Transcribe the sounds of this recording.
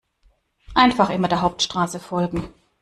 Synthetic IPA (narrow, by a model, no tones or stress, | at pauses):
ʔaɪnfaχʔɪmɐdeːɐɦaʊp̚tʃtʁ̥aːsəfɔlɡŋ̩